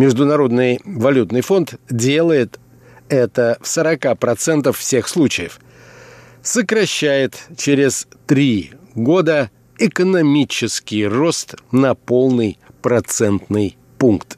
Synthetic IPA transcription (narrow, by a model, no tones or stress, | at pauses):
mʲɪʐd̪ʊnɐɾo̞d̪nɨjvɐlʲut̪nɨjfo̞nt̪dʲe̞lˠəjɪt̪ | ɛt̪əfsəɾɐkapɾɐt̪sɛnt̪əffsʲe̞xslˠut͡ɕɪjəf | səkɾɐɕːæjɪt̪t͡ɕeɾʲɪzt̪ɾʲiɡo̞d̪ə | ɪkənɐmʲit͡ɕɪskʲɪjro̞st̪nɐpo̞lˠnɨjpɾɐt̪sɛnt̪nɨj | punkt̪